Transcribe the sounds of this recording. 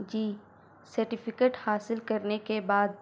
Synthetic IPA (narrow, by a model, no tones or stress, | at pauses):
d͡ʒiː | sɐɾʈɪfʰɪkeːʈhaːsɪlkɐɾnekebaːd̪̚